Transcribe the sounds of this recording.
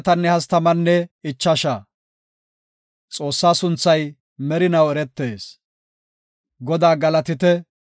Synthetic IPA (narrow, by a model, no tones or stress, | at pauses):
t̪ɐnːɛhɐst̪ɐmɐnːɛɪt͡ʃːɐʃaː | t͡sʼo̞ːsːaːsʊnt͡sːɐj | mɛɾɪnɐwɛɾɛt̪ːeːs | ɡɔd̪aːɡɐlɐt̪ɪt̪ɛ